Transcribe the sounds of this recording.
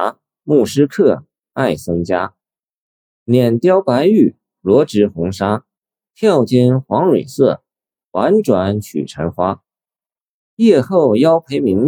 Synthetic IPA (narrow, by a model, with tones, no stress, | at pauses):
mu˥˩ʂɻ̩˥kʰɤ˥˧ | a˥˩ɪsɤ˥ŋt͡ɕja˥ | njɛ˨˩nt̪jɑ˥ʊpa˧˥ɪy˥˩ | lwɔ˧˥ʈ͡ʂɻ̩˧˥xʊ˧˥ŋʂa˥ | t̪ʰjɑ˥˩ʊt͡ɕjɛ˥nxwɑ˧˥ŋɻwḛ˨˩ɪsɤ˥˩ | xwa˧˥nʈ͡ʂwa˧˥nt͡ɕʰy̰˨˩ʈ͡ʂʰə˧˥nxwa˥ | jɛ˥˧xo˥˩ʊjɑ˥ʊpʰe˧˥ɪmi˧˥ŋ